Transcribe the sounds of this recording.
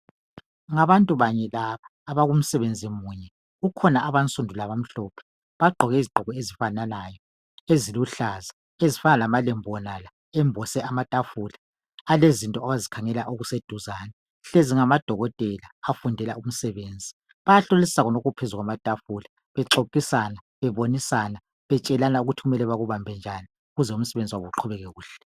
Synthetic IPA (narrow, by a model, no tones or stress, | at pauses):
ŋaβantʼuβaɲɛlaβaːβaɣum̩sɛβend͡zʱimuɲɛ | ukʰɔnaʔaβant͡sʼundʱulaβam̩ɬɔːpʰɛ̥ | βaɡ͡ǃʱɔɣɛiziɡ͡ǃʱɔɣɔezifanalajɔ | eziluɬaza | ezifanalamalɛmbʱɔnala | ɛmbʱɔsɛamatʼafulaː | lezintʼɔaɣazikʰaŋɛlaʔoɣused̥ʱuzana | ɬeziŋamad̥ʱɔɣɔtʼɛlaːfundʱɛlaum̩sɛβeːnd͡zʱi | βajaɬolisi̥sakɔnoɣupʰezuɣwamatʼafula | βɛǀokʼisana | βɛβonisana | βɛt͡ʃʼɛlanauɣutʰiɣumɛlɛβaɣuβambʱɛnd͡ʒʱani | uɣuzɛum̩sɛβend͡zʱiwaβuǃʰuβɛɣɛɣuːɬɛ